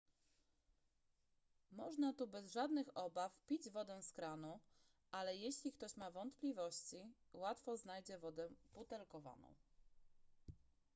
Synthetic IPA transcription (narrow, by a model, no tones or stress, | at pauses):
mɔʐnat̪ubɛzʐad̪nɘxɔbafpʲid͡ʑvɔd̪ɛw̃skɾanu | ʔalɛjeɕlʲikt̪ɔɕmavɔnt̪plʲivɔɕt͡ɕi | wat̪fɔznajd͡ʑɛvɔd̪ɛput̪ɛlkɔva̰nɔ̰̃w̃